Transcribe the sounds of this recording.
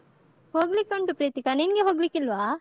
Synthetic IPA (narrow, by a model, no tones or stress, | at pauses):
hoɡlikoɳʈupɾit̪ikaninɡeɦoɡlikilʋa